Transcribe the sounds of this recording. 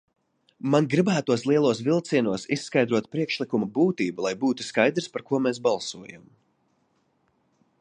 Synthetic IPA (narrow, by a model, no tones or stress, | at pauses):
manɡɾibæːt̪uɔslˠiɛlˠuɔs̬vilˠt̪siɛnuɔsisːkajd̪ɾuɔt̪̚pɾiɛkʃlˠikumabuːt̪iːbulˠajbuːt̪u̥skajd̪ɾspaɾkuɔmesbalˠsuɔja̰m